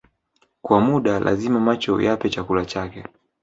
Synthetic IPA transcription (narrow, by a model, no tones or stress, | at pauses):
kwamuɗalʔa̰zimamat͡ʃɔ̰japɛt͡ʃakulat͡ʃakɛ